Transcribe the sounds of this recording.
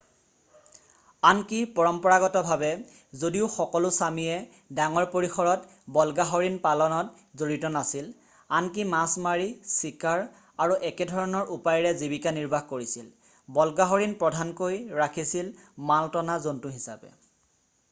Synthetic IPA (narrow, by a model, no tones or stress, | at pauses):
ankipɔɹɔmpɔɹaɡɔtɔbʱabɛ | zodiʊxɔkɔlʊsamijɛ | daŋɔɹpoɹixɔɹɔt | bɔlɡaɦoɹinpalɔnɔt | zoɹitɔnasil | ank̬imasmaɹisikaɹ | aɹuʔɛkɛdʱɔɹɔnɔɹʔupajɹɛzibikaniɹbʱaxkoɹisil | bɔlɡaɦoɹinpɹɔdʱankojɹakʰisilmaltɔnazontuɦisa̰pɛ̰